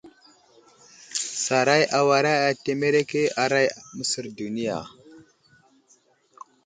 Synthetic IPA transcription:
sa˨ɾa˦jʔa˨wa˨ɾa˦ja˨te˦me˦ɾe˦ke˦a˨ɾa˦jmə˦si˨ɾdu˨ni˦ja̰˨

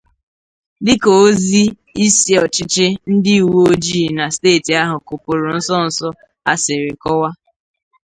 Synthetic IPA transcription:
dɪ˦ko˨o˦zi˦ | i˦si˨˦ɔ˨t͡ʃɪ˦t͡ʃe˦n̩˦dɪ˦u˨wu˦o˦d͡ʒi˦˨na˨steː˦˨ti˨a˦ɦʊ˨ko˨pʊ˨ɾʊ˨n̩˦sɔ˦n̩˨sɔ˦ | a̰˨sɪ˨ɾɪ˨kɔ˦wa˦

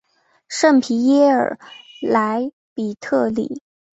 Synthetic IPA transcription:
ʂə˥˩ŋpʰi˧˥jɛ˥ə̰˞˨˩la˧˥ɪ | pi˨˩t̪ʰɤ˥˩lḭ˨˩˦

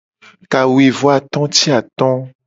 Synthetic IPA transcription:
ka˨wu˨e˨vɔ˦a˨t̪ɔ̃˦t̪i˦a˨t̪ɔ̃˦

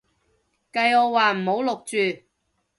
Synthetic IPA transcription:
kɐ˧jɔː˨˧waː˨˩m̩˨˩ho˨˥wlʊ˨k̚t͡ʃyː˨

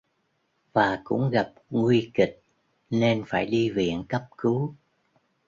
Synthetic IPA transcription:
vaː˨˩kʊ̰˧˥ŋ͡mɣa˨˩p̚ŋwi˧ki˨˩k̚ | ne˧nfaː˧˩jɗi˧vḭ˧˨ənkə˦˥p̚kɨ˨˦

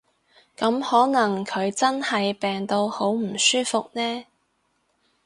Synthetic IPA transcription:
kɐ˨˥mhɔː˨˥nɐ˨˩ŋkʰɵ˨˧ɥt͡sɐ˥nhɐ˨jpɛː˨ŋt̪o˧who˨˥wm̩˨˩syː˥fʊ˨k̚nɛː˥

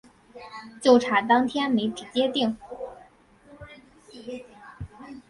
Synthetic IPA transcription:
t͡ɕjo˥˩ʊʈ͡ʂʰa˨˩t̪ɑ˥ŋt̪ʰjɛ˥nme˧˥ɪpʰi˨˩t͡ɕjɛ˥t̪i˥˩ŋ

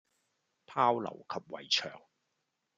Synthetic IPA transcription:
pʰaː˥wlɐ̰˨˩wkʰɐ˨p̚wɐ̰˨˩jt͡ʃʰœ̰ː˨˩ŋ

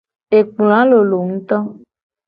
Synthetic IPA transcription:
e˨k͡pl̃ã˨˦lo˨lo˨ŋ̩̃˦t̪ɔ˦

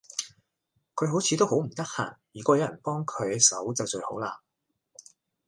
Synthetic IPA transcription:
kʰɵ˨˧ɥɦo˨˥wt͡sʰiː˨˧t̪o˥who˨˥wm̩˨˩t̪ɐ˥k̚ha̰ː˨˩ŋjyː˨˩kɔː˧jɐ˨˧˥wjɐ˨˩npɔː˥ŋkʰɵ˨˧ɥsɐ˨˥wt͡sɐ˨wt͡ʃɵ˧ɥho̰˨˥wlaː˧

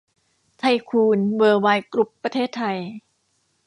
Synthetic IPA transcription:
t̪ʰa˧jkʰuː˧nwɤː˧waː˧jkɾu˦˥pːɾa˧t̪ʰeː˥˩t̪ʰːa˧j

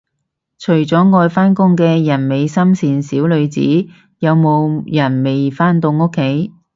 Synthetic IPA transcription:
t͡ʃʰɵ˨˩ɥt͡sɔː˨˥ŋɔː˧jfaː˥nkʊ˥ŋkɛː˧jɐ˨˩nme˨˧jsɐ˥msiː˨nsiː˨˥wlɵ˨˧ɥt͡sḭː˨˥ | jɐ˨˧wmo˨˧wjɐ˨˩nme˨jfaː˥nt̪o˧wŋʊ˥kʰːe˨˥j

